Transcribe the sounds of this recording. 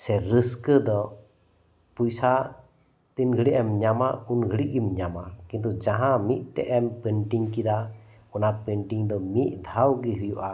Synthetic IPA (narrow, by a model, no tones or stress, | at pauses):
sɛɾəskəd̪ɔ | pujsa | t̪inɡʱəɽiʔɛmɲamaunɡʱəɽiʔɡimɲamakint̪ud͡ʒaɦãmiʔ̚t̪ɛ̰ʔɛmpəɳʈiŋkid̪a | unapəɳʈiŋd̪ɔmiʔd̪ʱawɡiɦujuʔa